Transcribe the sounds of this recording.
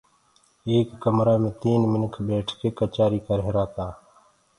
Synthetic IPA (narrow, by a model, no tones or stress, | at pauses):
eːkːəmɾaːmẽːt̪iːnmɪnəkʰbeːʈʰkeːkət͡ʃaːɾiːkəɾɦɪɾaːt̪aː